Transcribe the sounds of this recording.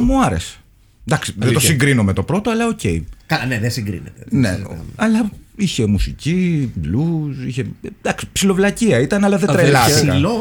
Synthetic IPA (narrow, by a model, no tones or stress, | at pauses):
muɐɾe̞̰se̥ | d̪ɐksi̥ðet̪o̞ssiŋɡɾinome̞t̪o̞pɾo̞t̪oɐlɐoce̞̰ikɐneðesiŋɡɾḭnḛt̪enḛɐ̰ɐlɐiçe̞musiciblusiçe̞d̪ɐksi̥psilo̞vlɐciɐit̪ɐnɐlɐðeɾelɐsikɐ